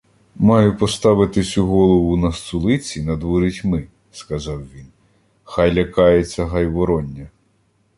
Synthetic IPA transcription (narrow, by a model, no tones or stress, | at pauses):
mɑjʊpɔst̪ɑʋɪt̪ɪsʲuɦɔlˠɔʋʊnɐst̪ʊlˠɪt͡sʲinɐd̪ʋɔɾʲitʲmɪ | skɐzɑwʋʲin | xɑjlʲɐkɑjet͡sʲːɐɦɐjʋɔɾɔnʲːɐ